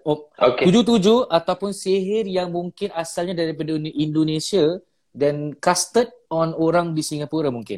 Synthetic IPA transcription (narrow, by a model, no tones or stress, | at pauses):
ookud͡ʒut̪̬ud͡ʒuʔat̪awpʊnsiɦɪrjaŋmũŋkɪnasalɲadaɾip̬adanindonesia | dankast̪ət̚ɔnoɾaŋdisiŋapuɾamũŋkɪ̰n